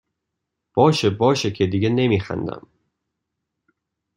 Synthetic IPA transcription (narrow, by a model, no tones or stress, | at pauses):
b̥ɒːʃebɒːʃecʰed̪iːɡenemiːxæ̰nd̪æ̰m